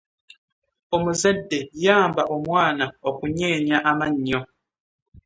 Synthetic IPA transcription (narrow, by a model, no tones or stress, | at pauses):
omuzɛdːejaːmbaʔomwaːnaokuɲɛːɲjaʔamaɲːɔ